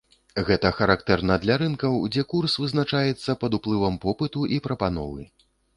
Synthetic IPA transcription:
ɣɛt̪ɐxɐɾakt̪ɛrnɐd̪lʲaɾɨnkɐwd͡zʲɛkursvɨznat͡ʂajɛt̪sːɐpɐd̪uplˠɨvɐmpɔpɨt̪uʔipɾɐpanɔ̰vɨ̰

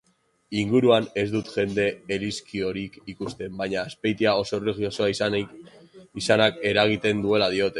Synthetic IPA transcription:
iŋɡuɾuane̞zd̪ut̪ʝe̞nd̪e̞ːliskio̞ɾikikust̪e̞mbaɲaːspe̞jt̪iao̞so̞reɣio̞soai | isanake̞ɾaɣ̞it̪e̞nd̪ue̞laðio̞t̪e̞

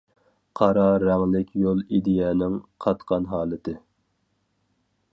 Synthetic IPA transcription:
qʰɑɾɑɾɛŋlɪkʲʰjolˠid̪ɪjɛːnɪŋqʰɑt̪qʰɑnɦɑːlˠɨt̪ʰɨ

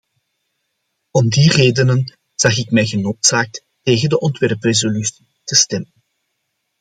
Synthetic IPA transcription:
ɔmdireːdənən | z̥ɑxɪkmɛjɣənoːtsaːk̚t | teːɣəndəʔɔntʋɛrprezolysi̥ | təstɛmən

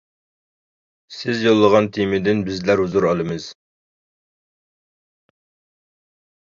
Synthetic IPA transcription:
sɪzjolˠːəʁɑnt̪ʰimɪd̪ɪnbɪzlæɾhuzuɾɑlˠɨmɨz̥

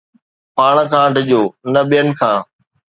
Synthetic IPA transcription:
paːɽ̃kʰãːɖɪʄoːnɐɓijənɪ̆kʰãː

